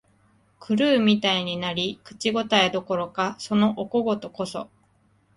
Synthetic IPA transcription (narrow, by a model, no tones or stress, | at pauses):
kʰɯ̟ɾɯ̟ːmʲit̪aiɲ̟inaɾʲikɯ̟̥t͡ɕiɡo̞t̪aed̪o̞ko̞ɾo̞kaso̞no̞ʔoko̞ɡo̞t̪o̞ko̞so̞̰